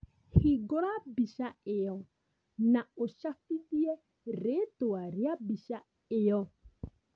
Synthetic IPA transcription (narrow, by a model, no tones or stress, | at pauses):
hiɡɔɾabiʃaejɔ | naoʃafidiɛ | ɾetoaɾjabiʃa | ɪjɔ